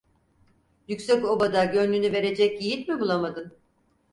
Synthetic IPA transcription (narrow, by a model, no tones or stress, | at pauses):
jycsɛco̞bad̪aɟø̞nlʲynyve̞ɾe̞d͡ʒɛc̚ɟijipmibulˠamad̪ɯn